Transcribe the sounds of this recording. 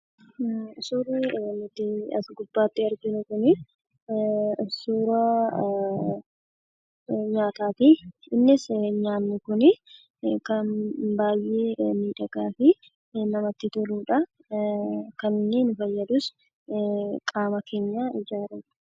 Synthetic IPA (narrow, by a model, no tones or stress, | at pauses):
suːɾenʊt̪ːɪɐ̰sɡʊbːaːt̪ːɪɐɾɡɪnʊkʊnɪ | suːɾɐ | ɲaːt̪aːt̪i | ɪnːɪsɲaːnːʊkʊnɪ | kɐnbaːjːeːmiːᶑɐɡaːfɪ | nɐmɐt̪ːɪt̪ɔluːᶑɐ | kɐnɪnːɪnʊfɐjːɐd̪ʊs | kʼaːmɐkʰe̞ːɲːaːɪd͡ʒaːɾɐ̥